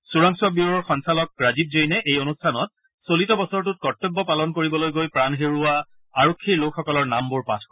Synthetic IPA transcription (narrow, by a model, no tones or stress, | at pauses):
suɹaŋsuwabiɹɔɹxɔnsalɔk̚ɹazib̚zejnɛʔejonustʰanɔt̚ | solitɔbɔsɔɹtʊt̚kɔtːobːɔpalɔnkoɹibɔlojɡojpɹanɦeɹʊa | aɹokʰːilokʰxɔkɔlɔɹnambʊɹpatʰ